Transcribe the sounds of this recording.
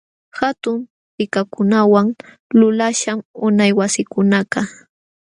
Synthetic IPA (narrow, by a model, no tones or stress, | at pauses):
hat̪ʊm | pɪkakʊnawaŋ | lʊlaʃamʊnajwasɪkʊnaqɑ